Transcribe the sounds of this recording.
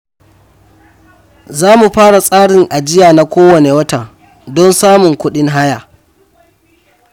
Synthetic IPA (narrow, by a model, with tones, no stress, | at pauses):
zaː˦mu˨ɸaː˦ɽa˨sʼaː˦ɽɪ˨ŋʔa˨d͡ʒɪ˦jaː˨na˦kʷoː˦wɐ˨ne˨wɐ˦ta˨ | dɔ˦nsaː˦mʊ˨ŋkʷʊ˦ɗɪ˦ŋɦa˦jaː˨